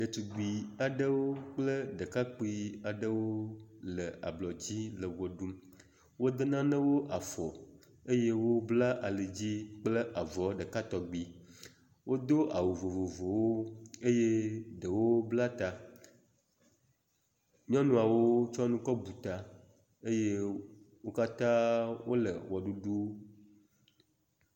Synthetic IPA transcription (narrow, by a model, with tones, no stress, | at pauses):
ɖə˨t͡ʃ̪u˨ɡ͡bi˨a˨ɖə˦wo˦k͡plə˦ɖə˨ka˦k͡pi˦a˨ɖə˦wo˦lə˨a̰˨blɔ˨d͡ʑi˦lə˨wo˨ɖu˦m | wo˦d̪e˦nã˦nə̃˦wo˦ʔa˨fɔ˨ | e˦je˦wo˦bla˦ʔa˨le˨d͡ʑi˦k͡plə˦ʔa˨vɔ˨˦ɖə˨ka˦t̪ɔ˨ɡ͡bi˨ | wo˦d̪o˦ʔa˨wu˨vo˨vo˨vo˨wo˦e˦je˦ɖə˨wo˦bla˦t̪a˨ | ɲɔ̃˦nũ˦a˨wo˦t͡ʃɔ˦nũ˦kɔ˦bu˨t̪a˨ | e˦je˦ | wo˦ka˦t̪ã˦wo˦lə̰˨wɔ˨ɖu˦ɖu˦